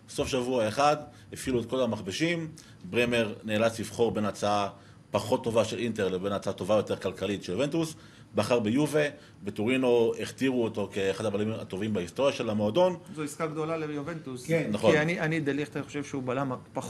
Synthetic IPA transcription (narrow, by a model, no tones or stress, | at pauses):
so̞fʃavuaeχad̪ | efiluet̚kolamaχbeʃim | bʁeme̞ʁneːlat͡slivχo̞ʁbe̞nat͡saa | paχo̞t̪ːo̞vaʃe̞lʔinte̞ʁlebe̞nat͡saato̞vajo̞te̞ʁkalkalitʃeljove̞ntus | baχaʁbejuve | betoʁino̞eχtiʁuoto̞keːχad̪abalima̰to̞vimbaist̪o̞ʁjaʃe̞lamo̞ado̞nzoiskaɡd̪o̞lalejovent̪uskennaχoianianid̪elit̪aniχoʃevʃeubalamapa